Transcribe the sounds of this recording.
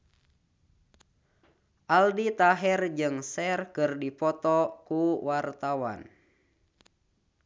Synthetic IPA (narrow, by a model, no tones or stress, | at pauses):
ʔaldit̪aɦɛrd͡ʒɨŋsɛrkɨrdipɔt̪ɔkuwart̪awa̰n